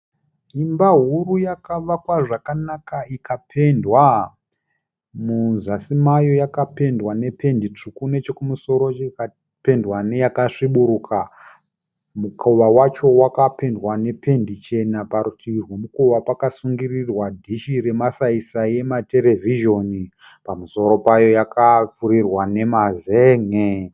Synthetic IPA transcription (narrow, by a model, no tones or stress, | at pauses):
imbaɦurujakaʋakwaʐakanakaikapʰe̞ndwa | muzasimajo̞jakape̞ndwane̞pʰe̞ndit͡ʂukune̞t͡ʃekumuso̞ɾo̞t͡ʃeka | pe̞ndwane̞jakaʂiɓuɾukʰa | mukʰoʋawat͡ʃo̞wakape̞ndwane̞pʰe̞ndit͡ʃe̞napaɾutirwomukoʋapakasuŋɡirirwadʱiʃiɾe̞masaisaje̞mate̞ɾe̞vʱiʒo̞ni | pamuso̞ɾo̞pajo̞jakafuɾirwane̞mazeŋe